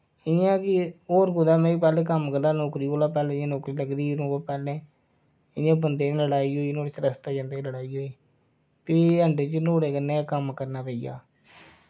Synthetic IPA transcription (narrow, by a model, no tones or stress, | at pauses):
ɪãːkɪoːɾɡʊd̪aːmɛ̃ːipɛːleːkəmkəɾd̪aːnoːkɾiːkolaːpɛːleːãːnoːkɾiːləɡd̪iːnoːpɛːleː | ɪãːbənd̪eːnːləɽaːiːoːinoːɽeːt͡ʃɾəst̪aːd͡ʒãːnd̪eːləɽaːiːɦoːiː | piːəɳɖeːt͡ʃnoːɽeːkənːeːkəmkəɾnaːpəiːja̰ː